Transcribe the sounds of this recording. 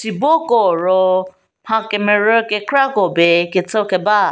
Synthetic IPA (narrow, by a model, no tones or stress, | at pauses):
tibokoɾo | hãkemeɾekekɾaɡobeketokeba